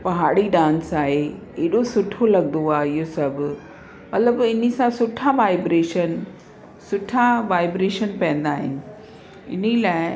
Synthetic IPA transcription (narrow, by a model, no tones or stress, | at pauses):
pɐɦaːɽiɗãːnsaːɦe | eːɗosʊʈʰolɐɠnd̪oaːɦeɪɦosɐbʱɪ̆ | mɐt̪ləbɪnə̆sãsʊʈʰaʋaːɪbɾeːʃən | sʊʈʰaʋaːɪbɾeːʃənpɐ̃ɦə̃n̆d̪aːɦɪ̰nɪ̆ | ɪ̰nəlaːɪ